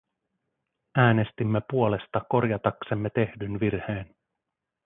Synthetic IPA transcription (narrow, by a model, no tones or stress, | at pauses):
æːne̞st̪imːe̞puo̞le̞st̪ɑko̞rjɑt̪ɑksemːe̞t̪e̞hdynʋirhe̞ːn